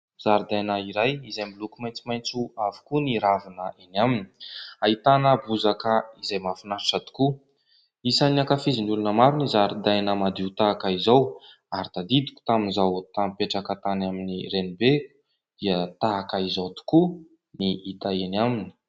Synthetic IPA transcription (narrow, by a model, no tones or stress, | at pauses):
z̥aɾid̪ajnaiɾajizajmbilukumajnt͡simajnt͡suavu̥kuniɾavinəʔenamini̥ait̪anəbuzakəizajmafinaɾiʈ͡ʂat̪u̥ku | isaniakafiziniulunəmaɾunizaɾid̪ajnəmad̪iut̪aːkaizaw | aɾit̪ad̪id̪i̥kʲu̥t̪aminzawt̪amipeʈ͡ʂakət̪anaminirenibe | d̪̥iət̪akaizawt̪u̥ku | niit̪aenamini̥